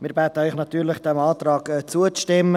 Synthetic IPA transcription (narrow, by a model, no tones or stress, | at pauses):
mɪːɾbɛːt̪əœʏxnɑt̪yːɾlɪχd̥ɛmɑːt̪ɾɑːkɛt͡suət͡stɪmːə